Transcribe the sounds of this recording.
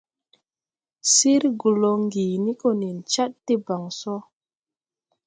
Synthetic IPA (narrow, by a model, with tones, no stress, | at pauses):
si˦ɾɡu˨lo˨ŋɡi˨ni˦ko˦ni˨nt͡ʃa˦tːi˦ba˨ŋsɔ˦